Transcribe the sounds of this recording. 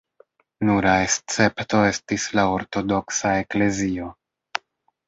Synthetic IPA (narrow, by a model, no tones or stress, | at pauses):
nuɾae̞st͡se̞pto̞e̞stislao̞ɾtodo̞ksae̞kle̞zio̞